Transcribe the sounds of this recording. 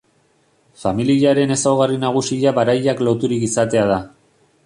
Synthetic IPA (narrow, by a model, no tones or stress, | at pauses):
familiʎaɾe̞ne̞sawɣarinaɣ̞usiʎaβaɾajaklo̞t̪uɾikisat̪e̞aða